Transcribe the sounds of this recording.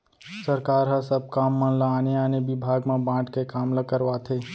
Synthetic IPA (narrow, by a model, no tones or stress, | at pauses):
səɾkaːɾɦasəb̚kaːmːɐ̃nlaaːneaːnebɪbʱaːɡmãbãːʈkekaːmləkəɾʋat̪ʰeː